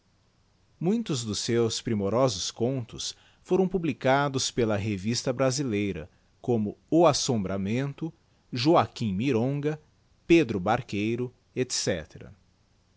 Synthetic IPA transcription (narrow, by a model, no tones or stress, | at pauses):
mũj̃t̪ʊzd̪ʊsːewspɾimoɾɔzʊskõnt̪ʊs | foɾɐ̃w̃publikad̪ʊspelɐɦevist̪ɐbɾazilejɾɐ̰ | kõmʊʊasõmbɾamẽnt̪ʊ | ʒoakĩmiɾõɡɐ | ped̪ɾʊbaɾkejɾʊ | et̪sɛ̰t̪eɾɐ̰